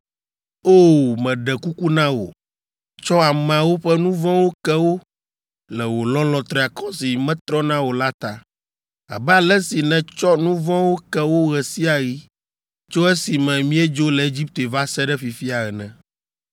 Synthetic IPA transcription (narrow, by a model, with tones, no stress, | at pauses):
o˦mɛ̃˨ɖɛ˨ku˦ku˦nã˦wo̰˨ | t͡ʃɔ˦a˨mɛ̃˨a˨wo˦ɸɛ˦nũ˦vɔ̃˦wo˦kɛ˦wo˦ | lɛ˨wo˨lɔ̃˦lɔ̃˨t̪ɾɛ˦a˨kɔ̃˦si˨mɛ̃˦t̪ɾɔ˦nã˦wo˨la˦t̪a˨ | a̰˨bɛ˦a˨lɛ˦si˨nɛ̃˨t͡ʃɔ˦nũ˦vɔ̃˦wo˦kɛ˦wo˦ɣɛ˨si˦a˨ji˦ | t͡ʃo˦ɛ˦si˨mɛ̃˨mĩ˦ɛ˦d͡ʒo˦lɛ˨e˦d͡ʑi˦p̚t̪e˨va˦sɛ˦ɖɛ˦fi˨fi˦a˨ɣɛ˨nɛ̃˨